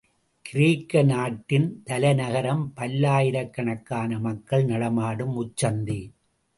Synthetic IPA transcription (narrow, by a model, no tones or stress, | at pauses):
kɪɾiːkːɐnaːʈːɪnt̪ɐlɐnɐɣɐɾɐmpɐlːaːjɪɾɐkːɐɳɐkːaːnɐmɐkːɐɭnɐɽɐmaːɽɯmʊt͡ʃːɐnd̪i